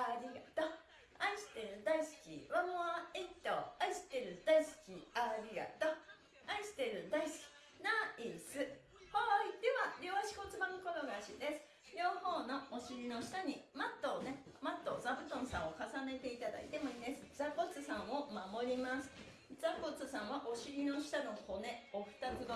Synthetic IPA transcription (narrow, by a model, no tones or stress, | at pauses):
aɾʲiɡat̪o | aiɕi̥t̪eɾɯ̟d̪aisɨ̥kʲḭɾonoait̪ːoaiɕi̥t̪ːeɾɯ̟d̪̥aisɨ̥kʲiaɾʲiɡa̰t̪o | aisɨ̥t̪eɾɯ̟d̪aisɨ̥kʲi̥ | naisɨ | hoid̪eβaɾʲoaɕi̥ko̞t͡sɨbãŋkonoɡaɕid̪e̞sɨ̥ | joːho̞ːno̞oɕiɾʲino̞ɕi̥t̪aɲ̟imat̪ːoːne̞ | mat̪ːo̞zabɯt̪õ̞sãɰ̃o̞kasane̞t̪e̞it̪ad̪a̰ḭt̪e̞moid̪esɨ̥d͡zako̞t͡sɨsãɰ̃o̞mamo̞ɾʲimasɨ̥ | d͡zako̞t͡sɨsãɰ̃βaʔo̞ɕiɾʲino̞ɕi̥t̪ano̞ho̞ne̞oɸɯ̟̥t̪at͡sɨɡo